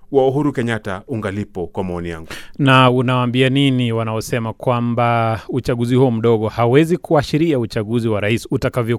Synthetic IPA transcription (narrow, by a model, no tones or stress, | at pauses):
wauɦuɾukɛɲatauŋɡalipɔkwamaɔnija̰ŋɡunaunawaːmbianiniwanaɔsɛmakwambaut͡ʃaɠuzihuɔm̩ɗɔɠɔhawɛzikuaʃiɾiaut͡ʃaɠuziwaɾaisutakavjɔ